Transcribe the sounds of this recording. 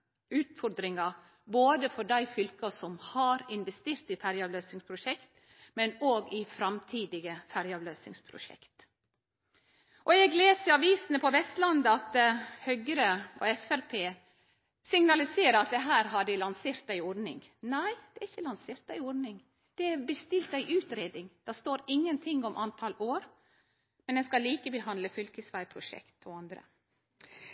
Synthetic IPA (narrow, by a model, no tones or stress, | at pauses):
ʉːt̪fɔɾd̪ɾɪŋɑ | boːd̪əfɔɖæɪfʏlkɑsɔmhɑɾɪnʋɛst̪eːɾt̪ɪfæɾjɑːʋløːsɪŋspʰɾʊʃɛkt̪ | mɛnoːɡɪfɾɑmt̪ʰiːd̪ɪɡəfæɾjɑːʋløːsɪ̰ŋspʰɾʊ̰ʃɛ̰kt̪ | ʔɔɛɡleːsəɾɑʋiːsənəpʰɔʋɛst̪lɑnd̪əɑt̪hœɡəɾəɔ̰ɛfæɾpʰeː | sɪŋnɑlɪseːɾəɑt̪̚d̪ɛɦæːɾɦɑɖɪlɑnseːɾt̪̚d̪æɪɔɾnɪ̰ŋnæɪd̪̥ɛæɾɪçːəlɑnseːɾt̪̚d̪æɪɔɾɖnɪŋ | d̪̥ɛɛɾbəst̪ɪlt̪æɪʔʉːt̪ɾeːd̪ɪŋd̪̥ɛst̪oːɾɪŋːənt̪ʰɪŋːɔmʔɑnt̪ʰɑloːɾ | mɛnd̪ɛnskɑliːkəbəɦɑnd̪ləfʏlkəsʋæɪpʰɾʊʃɛ̰kt̪ʰɔɑnd̪ɾə̰